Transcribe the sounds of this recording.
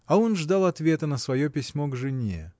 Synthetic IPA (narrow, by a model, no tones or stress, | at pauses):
ɐo̞nʐd̪alˠɐt̪vʲe̞t̪ənəsvɐjo̞pʲɪsʲmo̞ɡʐɨnʲḛ